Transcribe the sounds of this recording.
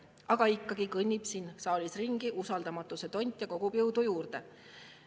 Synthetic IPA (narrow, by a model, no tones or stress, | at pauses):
ɑɡ̥ɑikːˑɑɡ̥ikɤnʲːib̥sinsɑːlʲisriŋɡ̥iʔusɑld̪ɑmɑt̪ːˑuse̞t̪o̞nʲt̪ʲˑjɑko̞ɡ̥upjɯwd̪ujuːrd̪e̞